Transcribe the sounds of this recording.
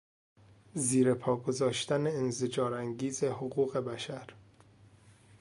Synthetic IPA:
ziːɾe̞pʰɒːɡo̞zɒːʃt̪æneːnzed͡ʒɒːɾæŋɟiːze̞hoɣuːɣe̞bæʃæɾ

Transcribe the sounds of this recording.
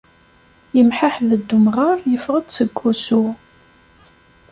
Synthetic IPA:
jəmħaħðəd̪ːumʁɑɾjəfʁəd̪səɡʷːusu

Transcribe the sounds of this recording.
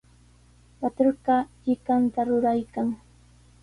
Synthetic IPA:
wat̪oɾɢɑʎɪkant̪aɾʊɾajkaŋ

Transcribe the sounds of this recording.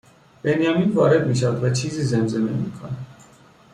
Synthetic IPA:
b̥ɛniamikʰɔɾɛd̪miʃawd̪vat͡ʃʰizizɛmzʼɛmɛmḭkʰɔ̰n

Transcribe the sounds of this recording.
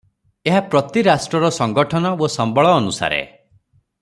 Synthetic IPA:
eɦapɾɔt̪iɾasʈɾɔɾɔsɔŋɡɔʈʰɔnɔosɔmbɔɭɔːnusa̰ɾḛ

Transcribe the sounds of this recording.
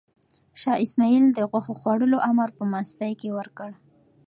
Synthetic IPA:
ʃɑʔɪsmɑild̪əɣwaxoxwaɽəloʔamaɾpəmast̪ajkewəɾkəɽ

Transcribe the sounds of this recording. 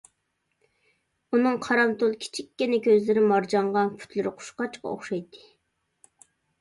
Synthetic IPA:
unɨŋqʰɑɾɑmt̪olˠkʲʰi̥t͡ʃʰikʲːinɪkʲʰøzlɪɾɪmɑɾd͡ʒɑɴʁɑnpʰy̥t̪ʰlɪɾɪqʰʊ̥ʃqɑt͡ʃqɑ̰o̰χʃɑjt̪ʰːɨ̥

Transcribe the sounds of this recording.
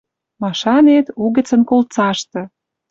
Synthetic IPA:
mɑʃɑnet̪uɣə̆t͡sə̆nkolt͡sɑʃt̪ɤ̆

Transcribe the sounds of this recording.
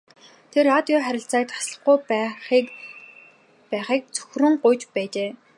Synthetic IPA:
t̪ʰeraːt̪jɔːχæɾʲɪ̆ɬt͡saːk̚t̪ʰḁsɮə̆χɡujpi | pæːχiːk̚t͡sɵ̥xrɵ̆ŋɢʊjt͡ɕpæːt͡ɕeː

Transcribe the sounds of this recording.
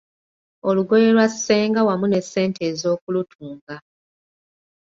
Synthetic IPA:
o̞luɡo̞je̞lwaseːŋɡawamune̞sːe̞ːntʰe̞ːzo̞ːkulutʰuːŋɡa

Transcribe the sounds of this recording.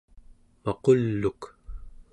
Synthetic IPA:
mɑqolːuk

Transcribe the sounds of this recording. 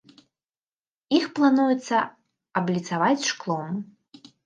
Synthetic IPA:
ixplˠanujut̪sːɐ | ɐblʲit̪savat͡sʲʂklˠɔm

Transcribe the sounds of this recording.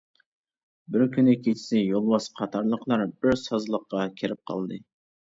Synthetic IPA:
bɪɾkʲʰynɛkʲʰet͡ʃʰi̥sɪjolˠbɑsqʰɑt̪ʰɑɾlˠəqlˠɑɾb̥ɪɾsɑzlˠəqːɑkʲʰeɾɪp̚qʰɑ̰lˠd̪ɨ

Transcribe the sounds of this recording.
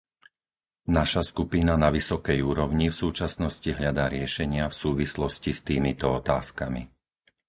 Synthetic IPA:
naʃaskupinanaʋisɔkɛjuːɾɔʊɲifsuːt͡ʃasnɔsciɦʎad̪aːɾɪɛʃɛɲɪafsuːʋislɔscist̪iːmit̪ɔɔt̪aːskamḭ

